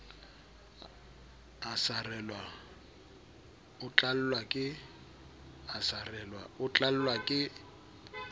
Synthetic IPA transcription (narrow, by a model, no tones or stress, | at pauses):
asarɛlwa | ʊt͡ɬʼal̩lwakʼɪ | asarɛlwaʊt͡ɬʼal̩lwakʼɪ